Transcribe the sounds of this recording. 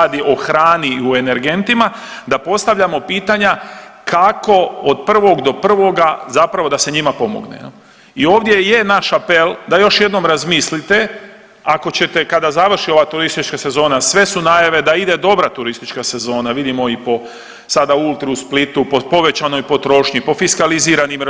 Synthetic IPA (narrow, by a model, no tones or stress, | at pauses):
ad̪iʔo̞xɾaːniue̞ne̞ɾɡe̞nt̪ima | d̪apo̞st̪aʋʎamo̞piːt̪aɲa | kʰako̞od̪̚pr̩ʋo̞ɡd̪o̞pr̩ʋo̞ɡazapɾaʋo̞d̪aseɲimapo̞mo̰ɡnḛ | ioːʋd̪je̞je̞naʃapeld̪ajo̞ʃje̞d̪no̞mɾazmislit̪e̞ | ako̞t͡ɕe̞t̪e̞kad̪azaʋr̩ʃio̞ʋat̪uɾist̪it͡ʃkase̞zo̞ːnasʋe̞sunaːjaʋe̞d̪aid̪e̞d̪o̞bɾat̪uɾist̪it͡ʃkase̞zo̞ːnaʋid̪imo̞ipo | sad̪ault̪ɾuusplit̪upopo̞ʋe̞t͡ɕano̞jpo̞t̪ɾo̞ʃɲipo̞fiskaliziːɾanim